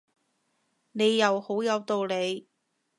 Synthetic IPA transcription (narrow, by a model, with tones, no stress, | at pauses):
ne˨˧jːɐ˨˧who˨˥wjɐ˨˧wt̪o˨wle˨˧j